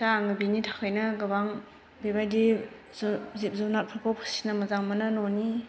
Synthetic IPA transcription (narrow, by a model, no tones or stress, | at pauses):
saːŋɯbinitʰḁkʰajnaɡɯbaŋ | bebajdi | zzip̚zanat̚pʰakʰɔwpʰḁsi̥namɐzaŋmananɔni